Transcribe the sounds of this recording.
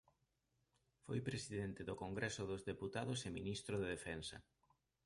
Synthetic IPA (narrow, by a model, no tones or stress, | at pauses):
fojpɾesiðɛnt̪ɪðokoŋɡɾɛsʊðozðeput̪aðoseminist̪ɾoðeðefɛnsɐ̰